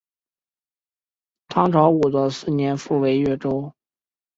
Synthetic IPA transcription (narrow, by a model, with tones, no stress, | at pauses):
t̪ʰɑ˥ŋʈ͡ʂʰɑ˧˥ʊu˨˩d̪ə˦sɹ̩˥˩njɛ˧˥nfu˥˩we˧˥ɪɥɛ˥˩ʈ͡ʂo˥ʊ